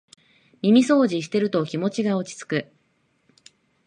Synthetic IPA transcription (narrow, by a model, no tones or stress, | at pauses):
mʲimʲiso̞ːʑiɕ̬i̥t̪e̞ɾɯ̟t̪o̞kʲimo̞t͡ɕiɡao̞t͡ɕi̥t͡sɨ̥kɯ̟